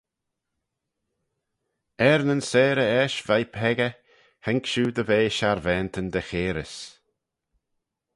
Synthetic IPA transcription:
ɛɾnənsɛːɾəɛʃvajpʰɛɡə | hɛŋkʃuːd̪əveːʃaɾvɛːnt̪ʰənd̪əxeːɾə̰s

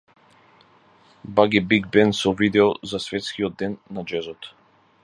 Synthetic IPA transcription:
baɡibiɡbɛnsɔvid̪ɛɔzasvɛt̪skiɔd̪̚ːɛnːad͡ʒɛzɔt̪

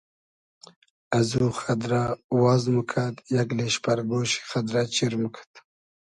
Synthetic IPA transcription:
azuxad̪ɾawɑːzmukʰat̪jaɡleʃpaɾɡoːɕi̥xad̪ɾat͡ɕiɾmukʰḁt̪

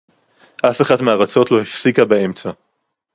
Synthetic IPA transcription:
ʔafeχadmeaʁat͡so̞tlo̞hifsikabae̞mt͡sa

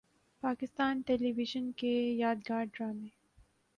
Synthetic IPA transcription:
paːkɪst̪aːnʈɛːliʋɪʒənkejaːd̪ɡaːɾɖɾaːmeː

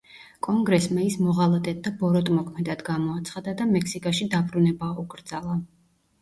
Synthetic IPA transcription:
kʼɔŋɡɾɛsmaismɔʁalˠat̪ʼɛt̪̚d̪abɔɾɔt̪ʼmɔkʰmɛd̪ad̪ɡamɔat̪sʰχad̪ad̪amɛksikʼaʃid̪abɾunɛbauɡʼɾd̪zalˠa

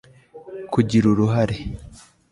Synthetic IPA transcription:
kuɟiɾuɾuɦaɾe

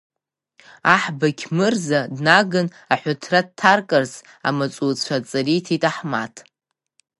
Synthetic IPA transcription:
aħbakʲʰmɨrzadnaɡɨn | aħʷʊtʰrad̚tʰarkʼarz | a̰mat͡sʷʼut͡ɕʷʰat͡sʼaritʰitʼaħma̰tʰ

